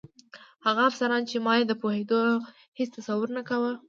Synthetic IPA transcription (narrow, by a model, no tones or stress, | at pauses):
haɣaːfsaɾɑnt͡ʃemɑjed̪əpohed̪o | het͡st̪asawʊɾnakawə